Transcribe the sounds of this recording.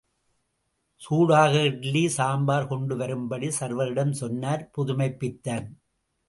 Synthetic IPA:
suːɻaːɣɐɪʈlisaːmbaːɾkɔɳɖɯʋɐɾɯmbɐɽisɐɾʋɐɾɪɽɐmsɔnːaːɾpʊðʊmɐɪpːɪt̪ːaːn

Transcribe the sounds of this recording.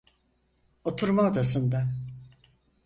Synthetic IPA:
ot̪ʰuɾmaod̪asɯnd̪a

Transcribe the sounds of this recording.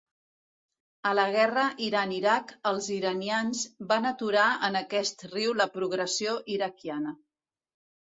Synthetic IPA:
ələɣ̞ɛrəʔiɾaniɾakəlˠziɾənianzbanət̪uɾaənəkɛst̪riwləpɾuɣɾəsioʔiɾəkijanə

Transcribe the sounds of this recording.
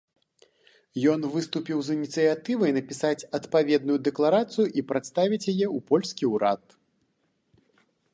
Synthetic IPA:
jɔnvɨst̪upʲiwzɨnʲit̪sɨjat̪ɨvɐjnɐpʲisat͡sʲɐt̪pavʲɛd̪̚nujud̪ɛklˠaɾat̪sɨjuʔipɾat̪st̪avʲit͡sʲjajɛupɔlʲsʲkʲiuɾa̰t̪̚

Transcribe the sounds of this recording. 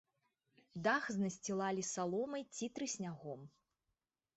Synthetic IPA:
d̪axznɐsʲt͡sʲilˠalʲisalˠɔmɐjt͡sʲit̪ɾɨsʲnʲaɣɔm

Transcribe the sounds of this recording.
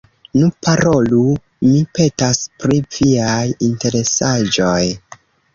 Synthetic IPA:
nupaɾolu | mipe̞taspɾiviajinte̞ɾe̞sad͡ʒoj

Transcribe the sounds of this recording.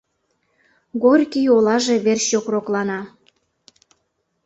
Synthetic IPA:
ɡorʲkijolɑʒeβerɕokroklɑnɑ

